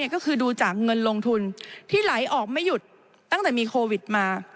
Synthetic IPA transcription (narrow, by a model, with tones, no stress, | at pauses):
ɐkɔ˥˩kʰɯː˧duː˧t͡ɕaː˨˩k̚ŋɤ˧nlo˧ŋt̪ʰu˧nt̪ʰiː˥˩la˩˦jʔɔː˨˩k̚ma˥˩jːu˨˩t̪̚ː | a˥˩ŋt̪ɛː˨˩miː˧kʰoː˧wi˨˩t̪̚maː˧